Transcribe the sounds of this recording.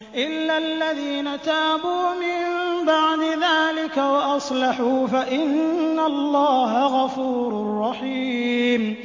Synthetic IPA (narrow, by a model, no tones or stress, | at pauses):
ʔɪlːalːaðiːnat̪aːbuːmɪmmbaʕd̪ɪðaːlɪkawaʔɑsˤlɑħuːfaʔɪnːalːaːɦaɣɑfuːɾɾʊrˤːɑħiːm